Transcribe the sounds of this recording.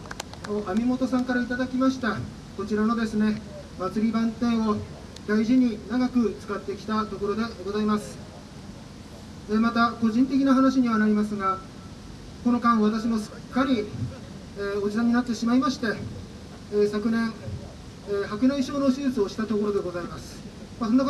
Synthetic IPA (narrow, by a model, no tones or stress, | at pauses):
noʔamʲimo̞t̪o̞sãŋkaɾait̪ad̪akʲimaɕi̥t̪a | ko̞t͡ɕiɾano̞d̪e̞sɨne̞ | mat͡sɨɾʲibãnt̪ẽ̞ɰ̃o̞ | d̪aiʑiɲ̟inaɡakɯ̟t͡sɨ̥kat̪ːe̞kʲi̥t̪at̪o̞ko̞ɾo̞d̪e̞ɡo̞zaimasɨ̥ | emat̪ako̞ʑĩnt̪e̞kʲinaɦanaɕ̬iɲ̟iβanaɾʲimasɨɡa | ko̞no̞kãɰ̃βat̪aɕ̬imo̞ɕɨ̥kːaɾʲi | o̞d͡ʑisãɲ̟inat̪ːe̞ɕimaimaɕi̥t̪e̞ | sakɯ̟nẽ̞ɰ | hakɯ̟naiɕo̞ːno̞sɨsɨo̞ɕi̥t̪at̪o̞ko̞ɾo̞d̪e̞ɡo̞zaimasɨ̥ | masonːak